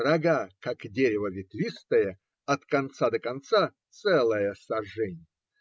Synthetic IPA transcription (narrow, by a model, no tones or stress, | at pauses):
rɐɡakakdʲeɾʲɪvəvʲɪt̪lʲist̪əjə | ɐt̪kɐnt̪sad̪əkant̪sat̪sɛlˠəjəsɐʐɛnʲɪjjə